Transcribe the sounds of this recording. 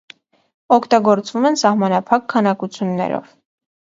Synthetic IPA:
ɔkʰt̪ɑɡɔɾt͡svumɛnsɑhmɑnɑpʰɑkʰːɑnɑkut͡sʰjunːɛ̰ɾɔ̰v

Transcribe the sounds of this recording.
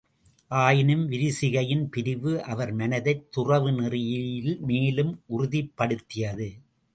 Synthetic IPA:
ʔaːjɪnɯmʋɪɾɪsɪɣɐjɪnpɪɾɪʋɯʔɐʋɐɾmɐnɐðɐɪt̪ːʊrɐʋɯnɪrɪjɪlmeːlɯmʔʊɾʊðɪpːɐɽɯt̪ːɪjɐðɯ

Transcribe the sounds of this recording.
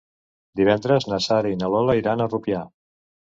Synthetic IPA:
d̪iβ̞ɛnd̪ɾəznəsaɾiinəloləiɾanərupja

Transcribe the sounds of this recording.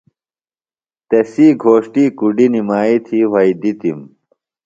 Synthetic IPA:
t̪esiːɡʱoːʂʈiːkuɖinimaːit̪ʰiwɐid̪it̪im

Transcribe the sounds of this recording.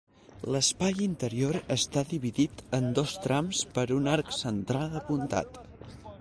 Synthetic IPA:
ləspajint̪əɾioɾəst̪aðiβiðit̪ənd̪ost̪ɾamspəɾunaɾksənt̪ɾalˠəpunt̪a̰t̪

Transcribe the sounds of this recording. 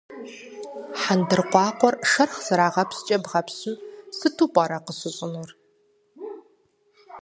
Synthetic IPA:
ħandɨrqʷɑːqʷɔrʂɐrχz̥ɨɾaːʁɐpst͡ʃʼɐbʁɐpsɨmsɨtʰuːpʷʼɑːɾɐqəsɨɕʼɪnʊr

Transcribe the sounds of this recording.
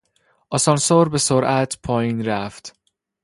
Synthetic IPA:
ʔɒsɒnsoɾbe̞soɾʔæt̪ʰpʰɒːjiːnɾæft̪

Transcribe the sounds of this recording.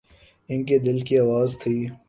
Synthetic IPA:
ɪnked̪ɪlkiaːʋaːzt̪ʰiː

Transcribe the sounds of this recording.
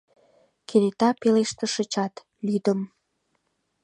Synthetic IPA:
kʰenet̪ɑpeleʃt̪ə̆ʃə̆t͡ɕɑt̪ | lyd̪əm

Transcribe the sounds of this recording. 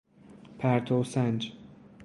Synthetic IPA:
pʰæɾt̪ʰosænd͡ʒ

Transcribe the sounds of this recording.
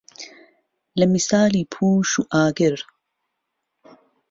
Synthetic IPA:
lɐmisaːliːpʰuːʃuʔaːɡɪɾ

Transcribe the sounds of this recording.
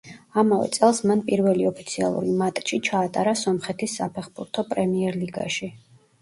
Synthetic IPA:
amavɛ̰t̪sʼɛlˠsmanpʼiɾvɛliɔpʰit̪sʰia̰lˠṵɾimat̪ʼʃit͡ʃʰaːt̪ʼaɾasɔmχɛt̪ʰisːapʰɛχbuɾt̪ʰɔpʼɾɛmiɛɾliɡa̰ʃi

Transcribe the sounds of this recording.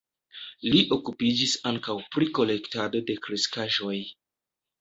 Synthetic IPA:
liʔo̞kupid͡ʒisaŋkawpɾiko̞le̞ktado̞de̞kɾiskaʒo̞j

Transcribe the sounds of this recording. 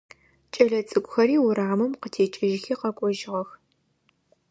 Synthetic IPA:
t͡ʃʼɐɮɐt͡sʼɨkʷʼʊxɐɾiːwʊɾaːmɨmqətʰeːt͡ʃʼɪʒɪxiːqɐkʷʼɔʒɪʁɐx

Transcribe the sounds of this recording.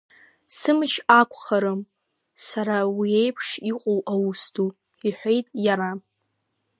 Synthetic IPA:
sɨmɨʃakʷʰʼχaɾɨm | saɾawiejpʰʂiqʷʼowʔawustʰu | iħʷe̞jtʼjaɾa

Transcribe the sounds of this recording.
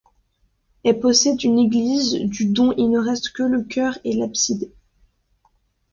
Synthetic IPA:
ɛlpɔsɛd̪yneɡlizd̪yd̪ɔ̃ʔilnəʁɛst̪kələkʲʰœʁelapsid̪e

